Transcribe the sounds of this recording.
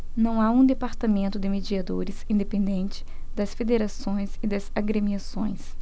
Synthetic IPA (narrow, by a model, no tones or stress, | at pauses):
nɐ̃w̃aũd̪epaɾt̪amẽnt̪ʊd̪ɪmed͡ʒiad̪oɾɪzĩnd̪epẽnd̪ẽnt͡ʃɪ̥ | d̪ɐsfed̪eɾasõj̃sɪd̪ɐzaɡɾemiasõ̰j̃s